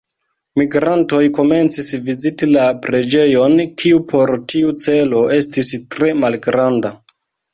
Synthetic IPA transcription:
miɡɾanto̞jko̞me̞nt͡sisvizitilapɾe̞d͡ʒe̞jo̞nkʰiupʰo̞ɾtʰiut͡se̞lo̞e̞stistɾe̞malɡɾanda

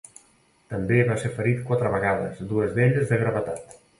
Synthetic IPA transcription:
t̪əmbeβaseɾfəɾit̪kwat̪ɾəβəɣaðəzðuəzðeʎəzðəɣɾəβət̪at̪

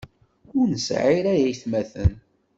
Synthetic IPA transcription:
ʊɾnəsʕiɾæjæjθmæθə̰n

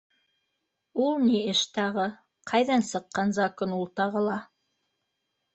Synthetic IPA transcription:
ulˠniɘʃt̪ɑʁɤ | qʰɑjðɑnsɤ̆qːɑnzɑkɵnulˠt̪ɑʁɤ̆lˠɑ

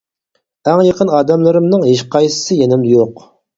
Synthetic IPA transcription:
æŋjeqənɑːd̪ɛmlˠɨɾɨmnɨŋɦeʃqʰɑjsɨ̥sɨjenɪmd̪ɪjoq

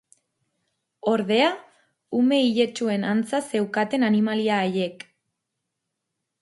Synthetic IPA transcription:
o̞ɾðe̞a | ume̞iʎe̞t͡ʃue̞nant͡sase̞wkat̪e̞nanimaliaːje̞k

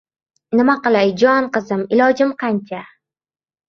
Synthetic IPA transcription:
nɪmaqɨlˠajd͡ʒɒnqɨzɪmɪlɒd͡ʒɪmqʰɑnt͡ʃʰa

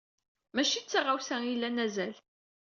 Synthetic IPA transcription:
mæʃit͡sːaʁawsæilːænæzæl

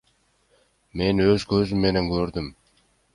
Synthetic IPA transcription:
me̞nøzkøzymːe̞ne̞ŋkøɾd̪ym

